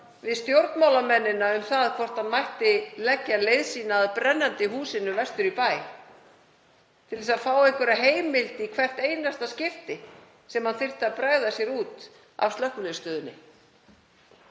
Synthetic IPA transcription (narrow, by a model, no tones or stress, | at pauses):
vɪðst̪jowɾt̪nmawlamɛnːɪnːaʏmθaðkʰvɔr̥t̪aðmajht̪ɪlɛcːalejðsiːnaːðpɾɛnːant̪ɪɦuːsɪnʏvɛst̪ʏɾipaːj | t̪ʰɪlɛsaðfaːwɛhŋkvʏɾaɦeːjmɪlt̪ikʰvɛr̥t̪eːjnast̪ascɪft̪ɪ | sɛmhanθɪr̥t̪ɪaðpɾaɣðasjɛɾuːt̪ | a̰vst̪lœhkʏlest̪œːðʏnːɪ̰